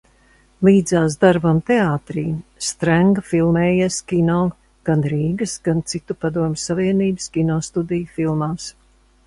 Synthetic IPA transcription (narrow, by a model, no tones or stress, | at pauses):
lˠiːd̪zaːsd̪aɾbamt̪eaːt̪ɾiːst̪ɾaŋɡɐfilˠmɛːjaskʲinɔː | ɡ̥anɾiːɡɨsɡ̥ant̪sit̪upad̪uɔmʲɪsːaviɛniːbɨ̥skʲinɔːst̪ud̪ijfilˠmaːs